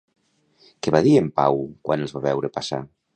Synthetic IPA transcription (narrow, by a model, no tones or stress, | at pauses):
keβaðiempa̰wkwʔanelˠzβaβɛwɾepasa̰